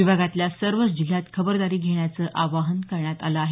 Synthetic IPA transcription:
ibʱaɡat̪ljasəɾʋət͡sd͡ʑil̤ːat̪kʰəbəɾd̪aɾiːɡʱeɳjat͡səːʔaʋaɦənkəɾɳjat̪aləaɦe

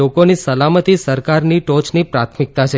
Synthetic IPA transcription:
okonisəlamət̪isəɾkaɾniʈot͡ʃnipɾat̪ʰmik̚t̪at͡ʃʰe

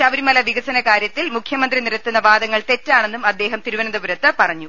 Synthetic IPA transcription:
ɐʋɐɾimɐlɐʋiɡɐsɐnɐkaːɾjɐt̪ːilmukʰjɐmɐnd̪riniɾɐt̪ːunːɐʋaːd̪ɐŋːɐɭt̪e̞tːaːɳe̞nːumɐd̪ːe̞ːɦɐmt̪iɾuʋɐnɐnd̪ɐbuɾɐt̪ːɨpɐrɐɲːu

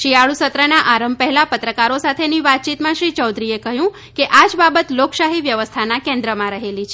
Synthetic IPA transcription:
ʃiaɭusət̪ɾənaʔaɾəmbpəɦɛlapət̪ɾəkaɾosat̪ʰeniʋat̪̚t͡ʃit̪mãʃɾit͡ʃɔwd̪ɾiekəɦjũ | keʔad͡ʒbabət̪lokʃaɦiʋjəʋəst̪ʰanakɛ̃nd̪ɾəmãɾəɦelit͡ʃʰ

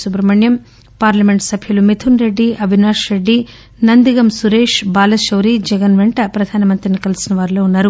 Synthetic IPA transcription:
supɾɐmɐɳjɐm | paːɾlɐme̞ɳʈsɐbʱjɐlumet̪ʰunɾe̞ɖːiɐbʱinaːʂɾe̞ɖːi | nɐnd̪iɡɐmsuɾeːʂbaːlɐʃɐwɾid͡ʒɛɡɐnʋeɳʈɐpɾɐd̪ʱaːnɐmɐnt̪ɾinikɐlisinɐʋaːɾiloːunːaːɾu

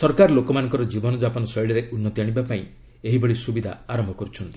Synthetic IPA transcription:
sɔɾkaɾlokɔmanɔ̃ŋkɔɾɔd͡ʒibɔnɔd͡ʒapɔnɔsɔjɭɔɾeunːɔt̪iaɽ̃ibapaĩ | eɦibɔɽisubid̪ʱa̰aɾɔmbʱɔkɔɾut͡ʃʰɔnt̪i̥

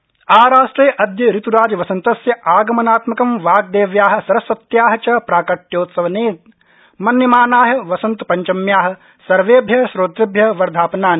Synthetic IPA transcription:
aːɾaːʂʈɾɐjʔɐd̪jɐɾit̪uɾaːd͡ʒʋɐsɐnt̪ɐsjɐʔaːɡɐmɐnaːt̪mɐkɐmʋaːɡ̚d̪eːʋjaːɦɐ̆sɐɾɐsɐt̪jaːɦɐt͡ʃɐpɾaːkɐʈːjoːt̪sɐʋɐneːt̪̚ | mɐnjɐmaːnaːɦɐʋɐsɐnt̪upɐɲt͡ʃɐmjaːɦɐ̆ | sɐɾʋeːbʱjɐʃɾoːt̪ɾɐbʱjɐʋɐɾd̪ʱaːpɐnaːni

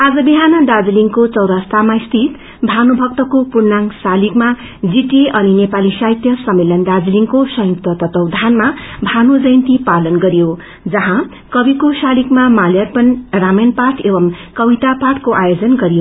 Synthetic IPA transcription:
ad͡zʌbiɦanʌd̪ad͡ziliŋkot͡sʌwɾast̪amaist̪ʰit̪ | bʱanubʱʌk̚t̪ʌkopurnaŋsalikma | d͡ziʈeʔʌninepalisait̪jʌsʌmːelʌnd̪ad͡ziliŋkosʌjuk̚t̪ʌt̪ʌt̪ʌwd̪ʱanmabʱanud͡zʌjnt̪ipalʌnɡʌɾijo | d͡zʌɦã | kʌbikosalikmamaljarpʌnramʌnpaʈʰebʌmkʌbit̪apaʈʰkoʔajod͡zʌnɡʌɾijo

